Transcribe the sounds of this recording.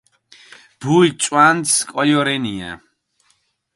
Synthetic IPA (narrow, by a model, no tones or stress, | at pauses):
b̥ujt͡ʃʼwanskʼɔjɔɾɛniɛ̰